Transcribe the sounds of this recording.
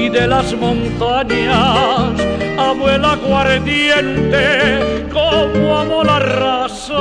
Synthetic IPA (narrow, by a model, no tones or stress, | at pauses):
iðelazmõnt̪aɲasaβwelaɣwaɾðjent̪e | komwaβolarasa